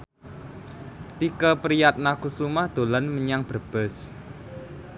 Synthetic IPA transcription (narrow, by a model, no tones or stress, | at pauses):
t̪ikəpəɾijat̪̚nakusumahd̪̥o̤lanməɲaŋb̥ərb̥ɛ̤s